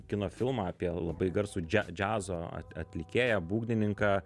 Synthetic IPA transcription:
kʲɪnoːfʲɪlˠmɑːɑːpʲiɛlˠɐbɐɪɡɐɾsuːd͡ʒʲæ̰d͡ʒʲæːzoːɐ̰t̪ɐ̰t̪ʲlʲɪkʲeːjæbuːɡnʲɪnʲɪŋkɑː

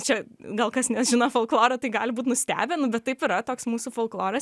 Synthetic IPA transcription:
t͡ʃʲɛɡɐlˠkɐsnʲɛsʒʲɪnɐfolˠklˠoːɾɐt̪ɐɪɡɑːlʲɪbuːt̪nʊsʲt̪ʲæ̰ːbʲenʊbʲɛt̪̚ːɐɪpɪɾɐt̪oːksmuːsufolˠklˠoːɾɐs

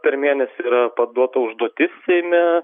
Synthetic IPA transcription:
pʲɛɾmʲeːnʲɛsʲɪiːɾɐpɐd̪uɔt̪ɐʊʒd̪uɔt̪ʲɪsːʲɛɪmʲɛ

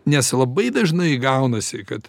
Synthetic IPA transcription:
nʲɛslˠɐbɐɪd̪ɐʒnɐɪɡɐʊnɐsʲɪkɐt̪

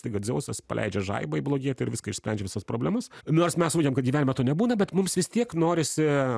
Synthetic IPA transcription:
t̪ɐɪɡɐtd̪zʲɛʊsʲɐspɐ̰lʲɛ̰ɪd͡ʒʲɛʒɐ̰ɪbɐɪblˠoːɡʲiɛt̪ʲɪɾʋʲɪskɐɪʃsʲpʲɛ̰nʲd͡ʒʲɛʋʲɪsɐspɾoːbʲlʲɛmɐsnoːrsmʲɛsuːkʲeɛmkɐt̪ɡʲiːæːnʲɪmɛt̪oːnʲɛbuːnɐbʲɛt̪mʊmsʋʲɪst̪ʲiɛknoːɾʲɪsʲɪ

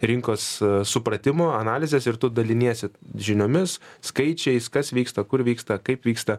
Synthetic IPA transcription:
ɾʲɪŋkoːssʊpɾɐt̪ʲɪmoːɐnɑːlʲɪzʲesɪɾt̪ʊd̪ɐlʲɪnʲiɛsʲɪʒʲɪnʲoːmʲɪsskɐɪt͡ʃʲɛɪskɐsʋʲiːkst̪ɐkʊɾʋʲiːkst̪ɐkɐɪpʋʲiːkst̪ɐ

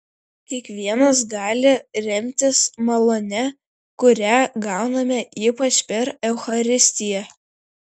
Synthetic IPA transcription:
kʲiɛkʋʲiɛnɐs̬ɡɑːlʲɪɾʲɛmʲt̪ʲɪsmɐlˠonʲɛ | kʊɾʲæɡɑˑʊnɐmʲɛiːpɐt͡ʃʲpʲɛɾɛʊxɐɾʲɪsʲt̪ʲɪjɛ

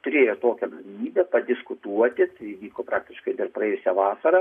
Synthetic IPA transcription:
t̪ʊɾʲeːjoːt̪oːkʲɛɡɐlʲɪmʲiːbʲɛpɐd̪ʲɪskʊt̪uɔt̪ʲɪt̪ɐɪʋʲiːkoːpɾɑːk̚t̪ʲɪʃkɐɪd̪ɐrpɾɐɛːjʊsʲɛʋɑːsɐɾɐ

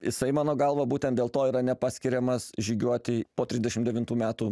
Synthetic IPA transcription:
jɪsɐɪmɑːnoːɡɐlˠʋɐbuːt̪ʲɛnt̪̚d̪ʲelˠt̪oːiːɾɐnʲɛpɑːsʲkʲɪɾʲɛmɐsʒʲiːɡʲuɔt̪ʲɪpoːt̪ʲɾʲɪzʲd̪ʲɛʃʲɪmd̪ʲɛʋʲɪnt̪uːmʲæːt̪uː

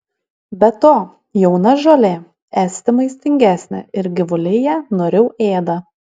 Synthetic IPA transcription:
bʲɛt̪oː | jɛʊnɐʒolʲeː | æːsʲt̪ʲɪmɐɪsʲt̪ʲɪŋʲɡʲæːsʲnʲɛ̰ɪɾɡʲɪʋʊlʲejɛnoːɾʲɛʊʔeːd̪ɐ

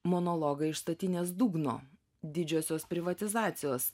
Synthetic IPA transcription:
monɔlˠɔɡɐɪɪʃst̪ɐt̪ʲɪnʲeːsd̪uːɡno̰ː | d̪ʲɪd͡ʒʲoːsʲoːspʲɾʲɪʋɐt̪ʲɪzɑːt̪sʲɪjoːs

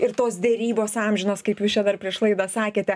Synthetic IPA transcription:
ɪrt̪oːsd̪ʲɛɾʲiːboːsɑːmʲʒʲɪnoːskɐɪpjuːst͡ʃʲɛd̪ɐrpʲɾʲiɛʃlˠɐɪd̪ɐsɑːkʲeːt̪ʲɛ

